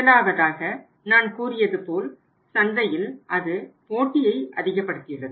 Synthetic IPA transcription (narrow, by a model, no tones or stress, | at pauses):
ɐlaːʋɐðaːɣɐ | naːnkuːrɪjɐðɯpoːl | sɐndɐjɪlʔɐðɯpoːʈːɪjɐɪʔɐ̰ðɪɣɐpːɐɽɯt̪ːɪɪrɐðɯ